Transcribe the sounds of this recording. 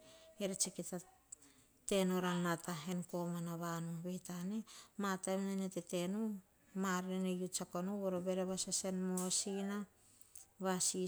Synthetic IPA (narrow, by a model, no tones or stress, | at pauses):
eɾet͡ʃeketa | te̞nuɾanataɦenko̞manaβanuβe̞tanemataemnanetetenu | maɾenejut͡ʃakonuβoɾobe̞ɾeβasasenmosina | βasi